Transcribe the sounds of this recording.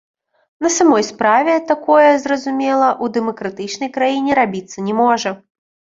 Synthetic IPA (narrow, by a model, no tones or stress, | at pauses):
nɐsamɔjspɾavʲɛt̪akɔjɛzrɐzumʲɛlˠɐʔud̪ɛmɐkɾat̪ɨt͡ʂnɐjkɾajinʲɛɾabʲit̪sːɐnʲɛmɔʐɐ